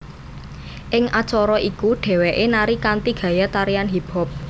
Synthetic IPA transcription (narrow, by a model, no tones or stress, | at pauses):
ʔɪŋʔat͡ʃɔɾɔʔikuɖ̥ɛ̤wɛʔenaɾikant̪iɡ̥a̤jat̪aɾijanɦib̥ɔ̤p̚